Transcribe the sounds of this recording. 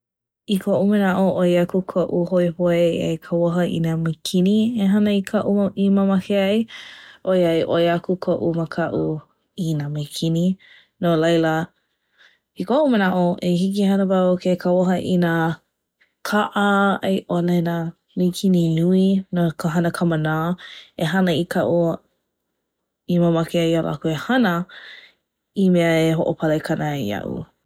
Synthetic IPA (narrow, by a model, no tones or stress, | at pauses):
ikʰoʔumənaʔoʔojakukʰoʔuhoepoeḛjkʰawoɦɐʔḭnamajkʰinieɦɐnəikʰɐʔumowʔiməmɐkeɐjʔojɐjʔojakukʰoʔuməkʰɐʔu | inamejkʰini | nolɐjlə | ikoʔumənaʔoʔehikihɐnəvaokʰekaoɦəʔina | kʰaʔəejʔolɛna | mejkʰininuinokʰəɦɐnəkʰəmənaːeɦɐnəikʰɐʔu | iməmakeajal̰ʔa̰kuehɐnə | imɛəeɦoʔopʰɐlekʰɐnaɐ̰ʔṵ